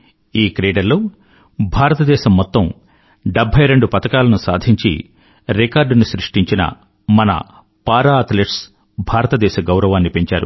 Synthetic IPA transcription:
iːkɾiːɖɐɾloː | bʱaːɾɐt̪ɐd̪ɛːʃɐmːɔt̪ːɐm | ɖebʱɐjɾe̞ɳɖupɐt̪ɐkaːlɐnusa̰ːd̪ʱiɲt͡ʃḭ | ɾekaːɾɖnuʃɾiʂʈiɲt͡ʃinɐ̰ | mɐnɐ̰ | paːɾaːt̪leʈs | bʱaːɾɐt̪ɐd̪ɛːʃɐɡɐwɾɐʋaːnːipe̞ɲt͡ʃaːɾṵ

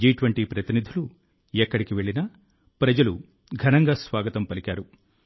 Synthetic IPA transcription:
d͡ʒiːʈʋɐɳʈipɾɐt̪inid̪ʱulu | ɛkːɐɽikiʋe̞ɭinɐ | pɾɐd͡ʒɐlu | ɡʱɐnɐŋɡaːsʋaːɡɐt̪ɐmpɐlikʲaːɾu

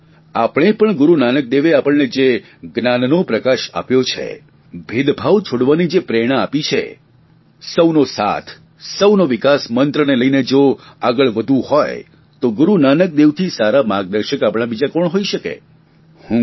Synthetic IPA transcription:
apɽ̃epəɳɡʊɾunanək̚d̪eʋeapəɭned͡ʒe | ɡnannopɾəkaʃa̰pjot͡ʃʰḛ | bʱid̪bʱaʋt͡ʃʰoɽʋanid͡ʒepɾɛɽ̃aːpit͡ʃʰḛ | səʋnosa̰t̪ʰ | səwnoʋɪkasmənt̪ɾəneləined͡ʒoaɡəɭʋəd̪ʱũhɔj | t̪oɡʊɾunanək̚d̪eʋt̪ʰisaɾamãɡ̚d̪əɾʃəkapɽ̃abid͡ʒakɔɳɦoiʃəkḛ | hũ

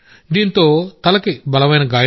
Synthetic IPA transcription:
d̪iːnt̪oːt̪ɐlɐkibɐlɐʋɐjnɐɡaːj

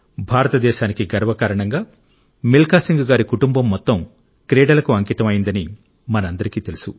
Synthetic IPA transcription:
bʱaːɾɐt̪ɐd̪ɛːʃaːnikiɡɐɾʋɐkaːɾɐɳɐŋɡaː | milkaːsiŋɡuɡaːɾikuʈumbɐmːɔt̪ːɐm | kɾɛːɖɐlɐkuɐŋkiːt̪ɐmɐjind̪ɐni | mɐnɐɐnd̪ɐɾikiːt̪e̞lusṵ

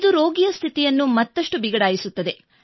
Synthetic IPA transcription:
d̪uɾo̞ːɡijɐst̪ʰit̪ijɐnːumɐt̪ːɐʂʈubiɡɐɽaːjisut̪ːɐd̪e̞

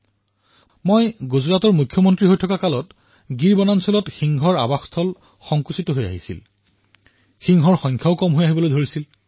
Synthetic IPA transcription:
mojɡuzɹatɔɹmukʰːjɔmɔntɹiɦojtʰɔkakalɔt | ɡiɹbɔnansɔlɔtxiŋɦɔɹa̰baxstʰɔl | xɔŋkusitɔɦoja̰ɦisḭl | xiŋɦɔɹxɔŋkʰjaʊkɔmɦojaɦibɔlojdʱoɹisil

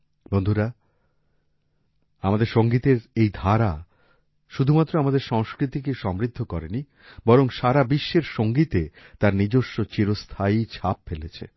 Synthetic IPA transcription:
bond̪ʱuɾa | amad̪eɾʃoŋɡit̪eɾejd̪ʱaɾa | ʃud̪ʱumat̪ːɾoamad̪eɾʃɔŋskɾit̪ik̬eʃɔmɾid̪ʱːokɔɾeni | bɔɾoŋʃaɾabiʃːeɾʃoŋɡit̪et̪aɾnid͡ʑoʃːot͡ɕiɾost̪ʰait͡ɕʰap̚felet͡ɕʰḛ

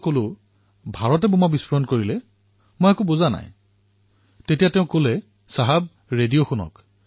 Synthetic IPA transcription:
kolʊ | bʱaɹɔt̬ɛbumabispɔɔnkoɹilɛ | mojakʊbozana̰j | tetijatɛʊ̃kolɛ | saɦab̚ | ɹedijoxʊnɔ̰k

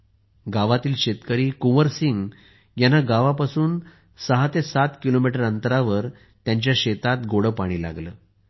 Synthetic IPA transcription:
ɡaʋat̪iːlɕet̪kəɾiːkuməɾsiŋɡ | janaɡaʋapasuːn | səɦat̪esat̪kilomiʈəɾənt̪əɾaʋəɾ | t̪jaɲt͡ɕjaɕet̪at̪ɡoɽəpaɽ̃iːla̰ɡləː

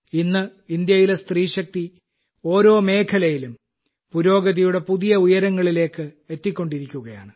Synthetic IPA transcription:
inːɨind̪jɐjilest̪riːɕɐk̚t̪i | o̞ːɾo̞ːme̞ːkʰɐlɐjilum | puɾo̞ːɡɐðɐjuɽe̞puðijɐujɐɾɐŋːɐɭile̞ːkːɨ | e̞t̪ːikʲːo̞ɳɖiɾikʲːuɣɐja̰ːɳɨ

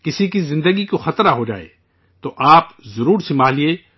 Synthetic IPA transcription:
kɪsikizɪ̃nd̪əɡikoxɐt̪ɾaɦod͡ʒa̰ːḛː | t̪oʔaːpzɐɾuːɾsɪmaːlie

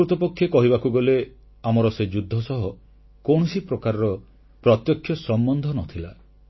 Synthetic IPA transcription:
ɾut̪ɔpɔkʰːjekɔɦiβakuɡɔle | amɔɾɔsed͡ʒud̪ʱːɔsɔɦɔ | kõɔsipɾɔkaɾɔɾɔ | pɾɔt̪jɔkʰːjɔsɔmbɔnd̪ʱɔnɔt̪ʰila

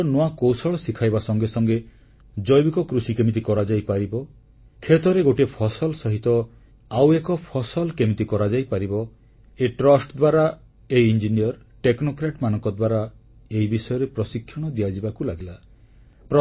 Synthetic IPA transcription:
noakowsɔɭɔsikʰajbasɔŋɡesɔŋɡe | d͡ʒɔjbikɔkɾusikemit̪̬ikɔɾad͡ʒajpaɾibɔ | kʰet̪ɔɾeɡoʈiepʰɔsɔlsɔɦit̪ɔ | awekɔpʰɔsɔlkemit̪ikɔɾad͡ʒajpaɾibɔ | eʈɾɔsʈd̪waɾa | eiind͡ʒiniɔɾ | ʈeknokɾaʈmanɔ̃ŋkɔd̪waɾa | eibisɔjɔɾepɾɔsikʰːjɔɽ̃ɔd̪iad͡ʒibakulaɡila | pɾɔ

